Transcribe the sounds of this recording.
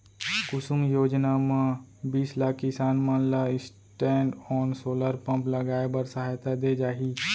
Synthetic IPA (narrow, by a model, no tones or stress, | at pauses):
kʊsʊmjoːd͡ʒnamãbiːslaːkːɪsaːnmə̃nlaɪs | ʈɛ̃ːɳɖɔːnsoːləɾpə̃mpləɡaːebəɾsəɦaːjt̪ad̪eːd͡ʒaːɦiː